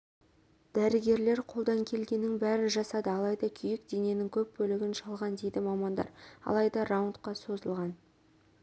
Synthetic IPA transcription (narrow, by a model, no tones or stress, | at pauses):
d̪̥æɾɪɡʲe̞ɾle̞ɾqʰo̞lˠd̪ɑŋkʲʰe̞lɡʲe̞nːɪŋbæɾɪnʒɑsɑd̪əɑlˠɑjd̪ɑkʲʰʏjɪkd̪e̞ne̞nɪŋkʲʰɵp̚bɵlɪɡʲɪnʃɑlˠʁɑnd̪e̞jd̪ɪmɑmɑnd̪ɑ̰ɾɑ̰lˠɑjd̪ɑrawnt̪qɑso̞zəlˠʁɑn